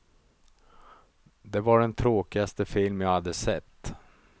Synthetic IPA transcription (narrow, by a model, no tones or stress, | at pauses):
d̪ɛvaɖɛnt̪ʰɾoːkɪɡast̪əfɪlmjaːhad̪ːəsɛt̪ː